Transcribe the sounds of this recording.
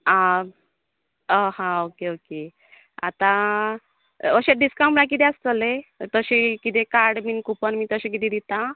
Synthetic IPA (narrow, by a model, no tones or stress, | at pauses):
a | əɦãokeoke | a̰t̪ã | əɕeɖiskãwpãk̬it̪east͡səlet̪əɕekit̪ekaɾɖminkupənmit̪əɕek̬it̪ed̪it̪a